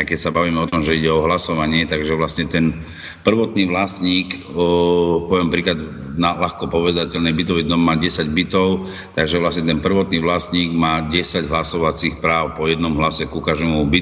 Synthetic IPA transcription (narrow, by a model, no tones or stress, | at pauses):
aɪkɛcsabaʋiːmɛɔt̪ɔmʒɛiɟɛɔɦlasɔʋaɲɪɛt̪aɡʒɛʋlasɲɛt̪ɛn | pr̩ʋɔt̪niːʋlasɲiːk | pɔʋjɛmpɾiːklad̪ | nalaxkɔpɔʋɛd̪acɛʎnɛbit̪ɔʋʊjɛd̪nɔmːaːɟɛsaɟbit̪ɔʊ | t̪aɡʒɛʋlasɲɛt̪ɛnpr̩ʋɔt̪niːʋlasɲiːɡmaːɟɛsaɟɦlasɔʋat͡sixpɾaːʊpɔjɛd̪nɔmɦlasɛkukaʒɛmubit̪